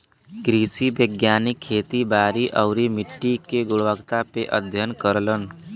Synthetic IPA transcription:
kɾiːsibəɡjaːnɪkʰːeːt̪ibaːɾiʔɔʊɾimɪʈːikeɡʊɽʋəɡt̪apeʔəd̪ʱjənkəɾlən

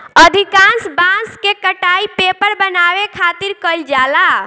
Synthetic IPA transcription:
əd̪ʱikãnsbãnskekəʈaipepəɾbənaʋekʰaːt̪iɾkəld͡ʒala

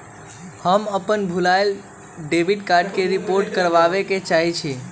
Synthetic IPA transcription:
həməpənbʱulael | ɖebʱiʈkaɾɖkeɾipoɾʈkəɾʋaʋeket͡ʃaɦit͡ʃʰe

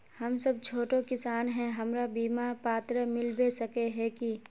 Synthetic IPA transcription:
hɐmsɐb̚t͡ʃʰoːʈõkɪsaːnɦɛ̃ɦɐmɾabiːmapaːt̪ɾəmɪlbesɐkeɦɛki

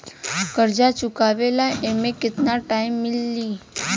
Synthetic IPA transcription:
kəɾd͡ʒat͡ʃukaʋelaʔemẽkɪt̪naʈaimːɪlːi

